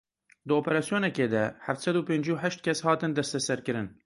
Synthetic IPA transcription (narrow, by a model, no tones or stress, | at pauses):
d̪əoːpɛɾɑːsijoːnɛkeːd̪ɛhæft̪sɛd̪uːpeːnd͡ʒuːħæʃt̪̚kʲʰɛshɑːt̪ɨnd̪ɛst̪ɛsɛɾkɨɾɨn